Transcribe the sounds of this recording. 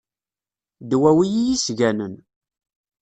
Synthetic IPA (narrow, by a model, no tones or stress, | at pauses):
d̪wæwijijisʝænən